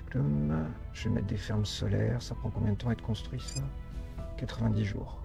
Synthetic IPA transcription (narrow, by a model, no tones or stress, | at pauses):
klum | ʒ̥əmɛ̰t̪̚d̪efɛʁmsɔlɛʁsapχɑ̃kɔ̃bjɛ̃d̪ət̪ɑ̃ɛt̪kɔ̃st̪χɥis | kat̪χəvɛ̃d̪iʒṵːʁ